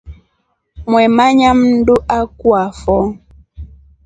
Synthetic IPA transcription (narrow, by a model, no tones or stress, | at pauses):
mwɛmaɲam̩duʔakwafɔ